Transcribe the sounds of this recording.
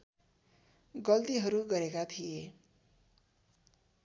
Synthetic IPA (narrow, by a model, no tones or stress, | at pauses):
ɡʌlt̪iɦʌɾuɡʌɾekat̪ʰije